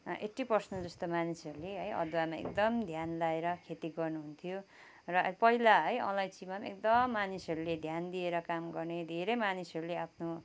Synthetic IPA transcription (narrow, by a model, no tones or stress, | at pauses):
ʔeʈipʌrsnʌd͡zʌst̪omanisʌɾuleɦʌjʌ̰d̪wamaḛkd̪ʌmd̪ʱjanlaeɾʌkʰet̪iɡʌrnuɦunt̪ʰijo | rʌpʌɦilaɦʌjʌ̰̃lajt͡simamḛk̚d̪ʌmːanisʌɾuled̪ʱjand̪ieɾʌkamɡʌrned̪ʱeɾʌjmanisʌɾuleapʰno